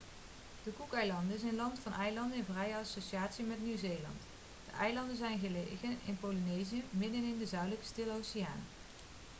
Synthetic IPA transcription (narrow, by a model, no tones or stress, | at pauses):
d̥əkukɛjlɑndəɪs̬ənlɑntfɑnʔɛjlɑndəɪnvrɛjəɑsoʃiaːtsimɛtnywzeːlɑ̰nt | d̥ə̰ʔɛjlɑndənzɛjnɣəlḛjɣənɪ̰npowlinejzijəmɪdənɪndəzœɥdələkə̥stɪlˠowsɪja̰ːn